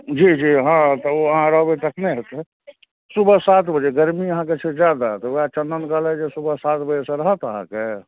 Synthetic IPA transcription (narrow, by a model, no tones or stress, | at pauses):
d͡ʒid͡ʒiɦãt̪ɔoəɦãɾəɦbet̪əkʰneɦet̪e | subəsat̪bəd͡ʒeɡəɾmiəɦãket͡ʃʰed͡ʒjad̪at̪ɔat͡ʃənd̪ənkəlɛd͡ʒesubəsat̪bəd͡ʒesẽɾəɦət̪əɦã̰ke